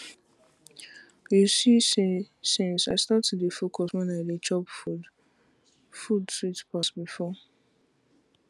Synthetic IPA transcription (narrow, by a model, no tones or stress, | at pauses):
jusi | sĩnsaɪstatɛdefokʰɔswɛ̃naɪdet͡ʃɔpud | fudswitpasbifɔ